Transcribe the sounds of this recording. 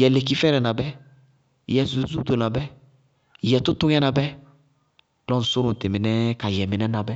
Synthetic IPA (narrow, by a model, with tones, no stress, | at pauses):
jɛ˨le˨k̬i˦fɛ˦ɾɛ˨nã˨bɛ˦ | jɛ˨zu˨˦zu˦do˨nã˨bɛ˦ | jɛ˨tʊ˦tʊ˦ɲɛ˦nã˨bɛ˦ | lɔ˦n̩˨sʊ˦ɾʊ̃˨n̩˨tɪ˨mɪ˨nɛ˦ka˨jɛ˨mɪ˨nɛ˦nã˨bɛ˦